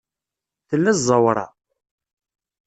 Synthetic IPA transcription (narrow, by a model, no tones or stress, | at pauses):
θəlːæzˤɑwɾˤɑ̰